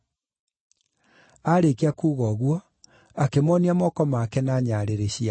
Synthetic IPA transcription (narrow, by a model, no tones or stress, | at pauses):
aɾekeakuːɣɔɣwɔ | akemɔniamɔkɔmakɛnaɲaɾeɾeɕia